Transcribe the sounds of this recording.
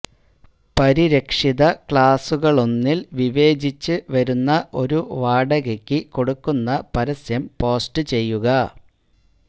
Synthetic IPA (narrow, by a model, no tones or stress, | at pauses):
pɐɾiɾɐkʂiðɐkɭaːsuɣɐɭo̞nːilʋiʋe̞ːd͡ʑit͡ɕːɨʋɐɾunːɐʔo̞ɾuʋaːɽɐɣekʲːɨko̞ɽukːunːɐpɐɾɐsjɐmpo̞ːsʈɨt͡ɕe̞jːuɣɐ